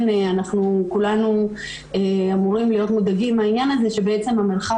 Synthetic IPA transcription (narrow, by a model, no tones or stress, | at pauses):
neanaχnukulanu | eamuʁimlijo̞tmodaɡimainjanaze̞ʃe̞beet͡se̞mamilχa